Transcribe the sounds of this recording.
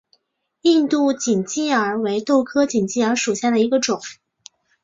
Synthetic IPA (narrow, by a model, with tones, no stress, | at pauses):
i˥˧nt̪u˥˩t͡ɕi˨˩nt͡ɕi˥˩ə˞˧˥we˧˥ɪt̪o˥˩ʊkʰɤ˥t͡ɕi˨˩nt͡ɕi˥˩ə˞˧˥ʂu˨˩ɕja˥˩d̪ə˩i˧˥ɡə˧ʈ͡ʂʊ˨˩˦ŋ